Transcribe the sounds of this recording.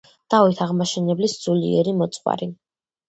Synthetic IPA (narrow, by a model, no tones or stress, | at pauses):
d̪̥avit̪ʰaʁmaʃɛnɛblisd̪z̥uliɛ̰ɾimɔt̪sʼqʼwa̰ɾi